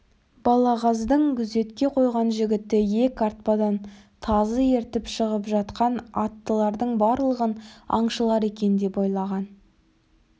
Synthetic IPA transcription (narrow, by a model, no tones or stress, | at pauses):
b̥ɑlˠɑʁɑzd̪əɴkʲʰʏze̞t̪kʲe̞qʰo̞jʁɑnʒɪɡʲɪt̪ːɪje̞kʲɑɾt̪̚pɑd̪ɑn | t̪ʰɑzəje̞ɾt̪ɪpʃəʁəpʒɑt̪qɑnɑt̪ːəlˠɑɾd̪əɴbɑɾlˠəʁənɑ̰ɴʃəlˠɑɾe̞kʲe̞nd̪e̞pojlˠɑʁɑn